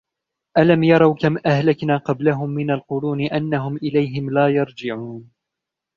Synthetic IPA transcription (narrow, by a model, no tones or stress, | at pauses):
ʔalamjɑɾˤɑwkamʔahlaknaːqɑblaɦʊmːɪnalqʊɾuːnɪʔanːaɦʊmʔɪlajɦɪmlaːjɑɾˤd͡ʒɪʕuːn